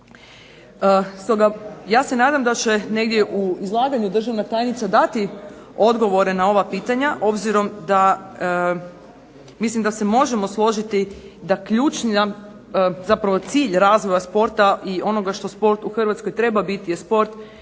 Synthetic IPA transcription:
əst̪o̞ɡajaːse̞naːd̪amd̪at͡ɕene̞ɡd̪je̞ʔuizlˠaːɡaɲud̪r̩ʒaʋnat̪aːjnit̪sad̪at̪i | o̞d̪ɡo̞ʋo̞ɾe̞nao̞ʋapiːt̪aɲaʔo̞bziɾo̞md̪a | mislimd̪ase̞mo̞ʒe̞mo̞slˠo̞ʒit̪id̪akʎuːt͡ʃnia | zapɾaʋo̞t̪siːʎɾaːzʋo̞jaspo̞ɾt̪aʔio̞no̞ɡaʃt̪o̞spo̞ɾt̪uxrʋat̪skojt̪ɾe̞babit̪ije̞spo̞ɾt̪

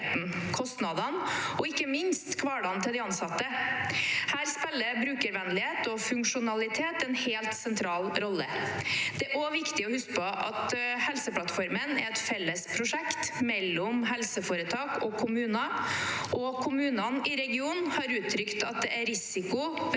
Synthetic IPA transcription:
t̪n̩kʰɔst̪nɑd̪ɑnɔɪkːəmɪnst̪kʰʋɑːɖɑnt̪ʰɪld̪ɪɑnsɑt̪ːə | hæːɾspɛlːəbɾʉːkəɾʋɛnlɪheːt̪ɔfʉŋkʂʊnɑlɪt̪ʰeːt̪ɛnheːlt̪sɛnt̪ʰɾɑːlɾɔlːəd̪̥ɛʔoːʋɪkt̪ɪɔhʉskpʰɔʔɑ̰t̪hɛlsəpʰlɑt̪fɔɾmənæ̰ɾɛt̪fɛlːəspʰɾʊʂɛkt̪mɛlːɔmɦɛlsəfoːɾət̪ʰɑːkɔkʰʊmʉːnɑʔɔkʰʊmʉːnɑnɪɾɛɡɪuːnhɑɾʉːt̪ʰːɾʏkt̪ɑt̪̚d̪ɛʔæɾɪsɪkʊ

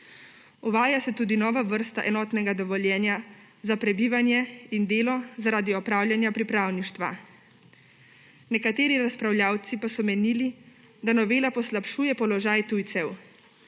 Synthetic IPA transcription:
uʋaːjasɛt̪uːd̪inɔːʋaʋəɾst̪aʔɛnɔːt̪nɛɡad̪ɔʋɔljɛːnja | zapɾɛbiːʋanjɛind̪eːlɔzaɾaːd̪iɔpɾaːwlʲjanjapɾipɾaːwniʃt̪ʋa̰ | nɛkat̪eːɾiɾaspɾawlʲjaːwt̪sipasɔmɛniːli | d̪anɔʋeːlapɔslapʃuːjɛpɔlɔʒaːjt̪ujt̪sɛw

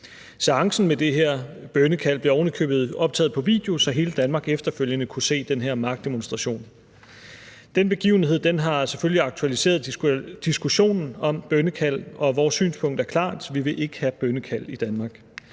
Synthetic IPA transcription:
seɑ̈ŋsn̩med̥e̝ɦeɐ̰b̥œnəkʰæl̰b̥le̝ɒʊnəkʰø̰ːb̥ð̞̩ˠɒ̽b̥̚t͡sʰɛ̰ːð̩ˠpʰɒ̽ʋḭːd̥e̝o̝sɒ̽ɦe̝ːləd̥ænmɑ̈ːɡ̥efd̥ɐføl̰jənəkʰuse̝̰ːd̥enɦeɐ̰mɑ̈ɡ̥̚d̥e̝monsd̥ʁɑ̈ɕo̝̰ːn | d̥enb̥e̝ɡ̥ḭːʊn̩he̝ð̞̰ˠd̥enɦɑ̈seføljiɑ̈ɡ̥̚t͡sʰuælise̝̰ːɐðˠd̥isɡ̥uɕo̝̰ːnn̩ɒ̽mb̥œnəkʰæl̰ɒ̽ʋɒːsːy̰ːnspʰɔ̽ŋ̰d̥æɐkʰlɑ̰̈ːd̥ʋiʋe̝ʔe̝ɡ̥əhæb̥ønəkʰæl̰id̥ænmɑ̈ːɡ̥

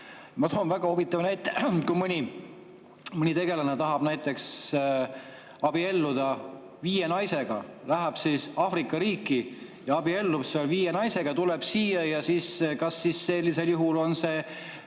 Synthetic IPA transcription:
mɑt̪oonvæɡ̥ɑovit̪ːˑɑvnæjt̪ːˑekumɯnʲi | mɯnʲit̪e̞ɡe̞lɑnet̪ɑɦɑb̥næjt̪ːˑe̞ks | ɑb̥ie̞lːud̪̥ɑ | viːjenɑjse̞ɡ̥ɑlæɦæb̥siːsɑːfrikːˑɑɾiːkːˑi | jɑɑbie̞lːubseolviːjenɑjseɡ̥ɑt̪ule̞b̥siːjɑjɑsiːskɑsːiːsːe̞lʲːise̞ljuɦulo̞nse̞

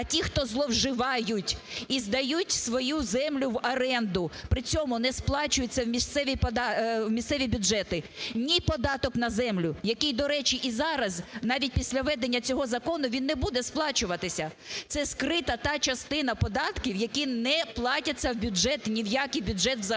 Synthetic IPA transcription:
ɐtʲixt̪ɔzlˠɔwʒɪʋɑjʊtʲizd̪ɐjutʲsʋɔjuzɛmlʲʊwɐɾɛnd̪ʊpɾɪt͡sʲɔmʊnɛsplˠɑt͡ʃʊjet͡sʲːɐwmʲist̪sɛʋʲipɔd̪ɑwmʲist̪sɛʋʲibʲʊdʒɛt̪ɪnʲipɔd̪ɑt̪ɔknɐzɛmlʲʊjɐkɪjd̪ɔɾɛt͡ʃiʔizɑɾɐznɑʋʲit̚ʲpʲisʲlʲɐʋɛd̪enʲːɐt͡sʲɔɦɔzɐkɔnʊʋʲinːebud̪ɛsplˠɑt͡ʃʊʋɐt̪ɪsʲɐ | t̪sɛskɾɪt̪ɐt̪ɑt͡ʃɐst̪ɪnɐpɔd̪ɑt̪kʲiwjɐkʲinɛplˠɑtʲɐt͡sʲːɐwbʲʊdʒɛt̪nʲiwjakɪjbʲʊdʒɛt̪zɐ

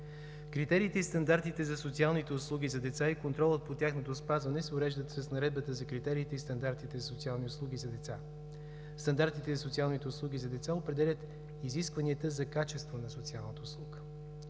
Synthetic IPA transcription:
kɾit̪ɛɾiːt̪ɛist̪ɐnd̪aɾt̪it̪ɛzɐsot̪sialˠnit̪ɛʊslˠuɡʲizɐd̪ɛt̪saikont̪ɾɔlˠət̪̚pot̪ʲjaxnot̪ospazvɐnɛsɛʊɾɛʒd̪ət̪səsnɐɾɛd̪̚bət̪əzɐkɾit̪ɛɾiːt̪ɛist̪ɐnd̪aɾt̪it̪ɛzɐsotsialˠniʊslˠuɡ̟izɐd̪ɛt̪sa | st̪ɐnd̪aɾt̪it̪ɛzɐsot̪sialˠnit̪ɛʊslˠuɡ̟izɐd̪ɛt̪saopɾɛd̪ɛlʲət̪ | iziskvɐniət̪əzɐkat͡ʃɛst̪vonɐsot̪sialˠnət̪ʊslˠuɡə̥

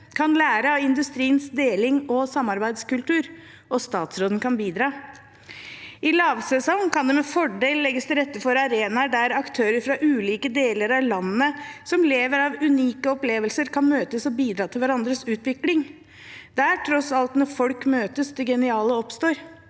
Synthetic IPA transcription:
kʰɑnlæːɾəɑɪnd̪ʉst̪ɾiːənsd̪eːlɪŋɔsɑmːɑɾbæɪd̪skʉlt̪ʉːɾ | ɔst̪ɑːt̪sɾoːd̪ən̩kʰɑnbiːd̪ɾɑː | ɪlɑːʋsɛsɔŋkɑnd̪ɛmɛfɔɖeːllːɛɡːəst̪ʰɪlɾɛt̪ːəfɔɾɑɾeːnɑɖæɾɑkt̪ʰøːɾəɾfɾɑʔʉːliːkəd̪eːləɾɑʋlɑnːəsɔmleːʋəɾɑʋʉniːkəɔpleːʋəlsəɾkʰɑnmøːt̪əsɔbiːd̪ɾɑːt̪ʰɪlʋæɾɑnd̪ɾəsʉːt̪ʋɪklɪŋ | d̪̥ææʈʰɾɔsɑlt̪nɔɾfɔlkmøːt̪əsd̪ɛɡɛnɪɑːləɔpst̪oːɾ

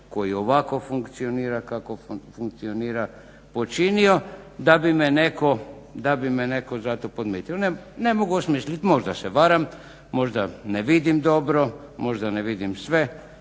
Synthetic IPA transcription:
ko̞jio̞ʋako̞fuŋkt̪sioniːɾakako̞fuŋk̚t̪sio̞niːɾa | po̞t͡ʃiniod̪abimeneko | d̪abimene̞ko̞zat̪opod̪mjeːt̪ionene̞moɡuosmislit̪mo̞ʒd̪aseʋaɾam | mːo̞ʒd̪aneʋid̪imd̪o̞bɾo̞ | mo̞ʒd̪aneʋid̪imsʋe̞

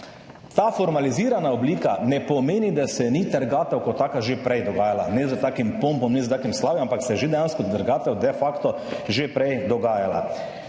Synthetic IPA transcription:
t̪aːfɔɾmaliziːɾanaɔbliːkanɛpɔmeːnid̪asɛnit̪əɾɡaːt̪ɛwkɔt̪ːaːkaʒepɾɛjd̪ɔɡaːjalanɛzət̪aːkimpompɔmnɛzət̪aːkimslaːʋjiampaksɛʒed̪ɛjãnskɔt̪əɾɡaːt̪ɛwd̪ɛfakt̪ɔ | ʒepɾɛjd̪ɔɡaːjala̰

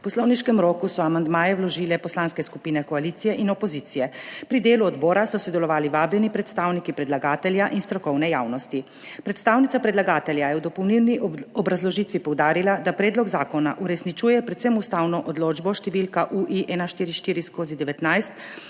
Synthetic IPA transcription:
pɔslɔwniʃkɛmɾoːkusɔamand̪maːjɛwlɔʒiːlɛpɔslaːnskɛskupiːnɛkɔaliːt̪sijɛʔinɔpɔziːt̪sijɛpɾid̪eːluɔd̪bɔːɾasɔsɔd̪ɛlɔʋaːliʋaːbjɛnipɾɛt̪st̪aːwnikipɾɛd̪laɡaːt̪ɛljaʔinst̪ɾɔkɔwnɛjaːwnɔst̪i | pɾɛt̪st̪awnit̪sapɾɛd̪laɡaːt̪ɛljajɛwd̪ɔpɔwnilniɔbɾazlɔʒiːt̪ʋipɔwd̪aːɾilad̪apɾɛːd̪lɔɡzaːkɔnaʔuɾɛsnit͡ʃuːjɛpɾɛt̪sɛmust̪aːwnɔʔɔd̪loːd͡ʒbɔʃt̪ɛʋiːlkaʔuʔiʔɛnaʃt̪iːɾiʃt̪iːɾiskoːzid̪ɛʋɛt̪najst̪

